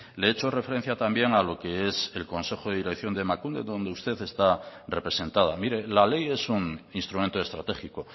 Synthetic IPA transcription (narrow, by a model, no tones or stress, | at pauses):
le̞et͡ʃo̞re̞fe̞ɾe̞n̟θjat̪ambje̞ŋalo̞ke̞e̞se̞lko̞nse̞xoðeðiɾe̞kθjo̞nd̪e̞makund̪e̞̰d̪o̞nd̪e̞ust̪e̞θe̞st̪are̞pɾe̞se̞nt̪að̞amiɾe̞lale̞je̞suŋinst̪ɾument̪oest̪ɾat̪e̞xiko̞